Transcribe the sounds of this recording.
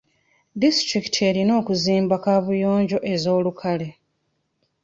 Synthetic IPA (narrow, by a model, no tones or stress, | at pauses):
distɾiki̥tʰe̞ɾino̞ːkuziːmbakavujo̞ːɲɟo̞ʔe̞zo̞ːlukʰale̞